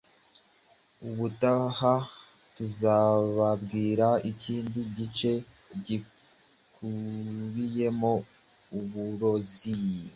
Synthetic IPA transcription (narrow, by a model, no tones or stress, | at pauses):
uβutaha | tuzaβabɡiːɾaiciːndiɟit͡ʃe̞ | ɟi | kʰuβije̞mo̞ | uβuɾo̞zij